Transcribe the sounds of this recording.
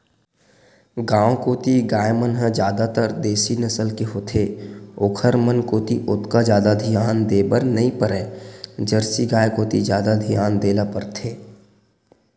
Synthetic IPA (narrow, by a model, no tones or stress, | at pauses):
ɡãːw̃koːt̪iɡaːjmənɦəd͡ʒjaːd̪at̪əɾd̪eːsinəsəlkeɦoːt̪ʰeːoːkʰəɾmənkoːt̪iʔʊt̪kad͡ʒjaːd̪ad̪ʱijaːnd̪eːbəɾnɐɦĩpəɾɛ̃ːd͡ʒəɾsiɡaːjkoːt̪id͡ʒjaːd̪ad̪ʱijaːnd̪eːlapəɾt̪ʰeː